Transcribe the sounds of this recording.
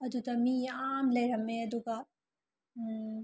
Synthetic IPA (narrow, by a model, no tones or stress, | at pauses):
ɐd̪ut̪ɐmiaːmlɐɾɐmːẽɐd̪uka